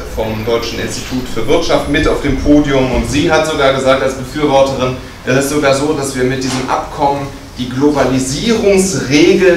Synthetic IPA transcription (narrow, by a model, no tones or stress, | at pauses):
fɔmdɔʏt͡ʃn̩ɪ̰nstitʰuːtfyːɐvɪɐtʃaftmɪtaʊfd̥eːmpʰoːdjʊmʊntz̥iːɦatz̥oɡaːɐɡəzaːk̚talsb̥əfyːɐvɔɐtəʁɪn | ʔɛsɪstz̥oɡaːɐzoːdasv̥iːɐmɪt̚d̥iːzəmʔa̰pkʰɔmən | d̥iːɡlobaliziːʁʊŋsʁeːɡl̩